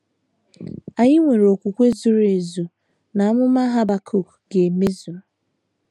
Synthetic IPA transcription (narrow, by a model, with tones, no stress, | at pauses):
a˨ɲɪ˦ŋʷe˨ɾo˨kʷu˨kʷe˦zu˨ɾe˨zu˨ | na˨a˦mʊ˦ma˦ɦa˦ba˨kʰo˦˨k | ɡe˨me˦zu˨